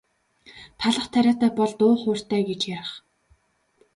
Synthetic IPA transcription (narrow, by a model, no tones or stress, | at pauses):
t̪ʰaɮə̆χt̪ʰæɾʲaːt̪æːpɔɮt̪ʊːχʊːr̥t̪æːɡet͡ɕjaɾə̆χ